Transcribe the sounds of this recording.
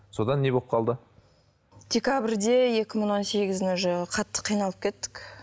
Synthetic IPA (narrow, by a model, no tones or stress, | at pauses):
so̞d̪ɑnːe̞bop̚qʰɑlˠd̪ə | d̪̥ʲe̞kʲabɪɾd̪e̞je̞kʲɪmɪɴwo̞nse̞ɡʲɪzɪnɪʒlqʰɑt̪ːə̥qʰijnɑlˠəp̚kʲʰe̞t̪ːɪ̥k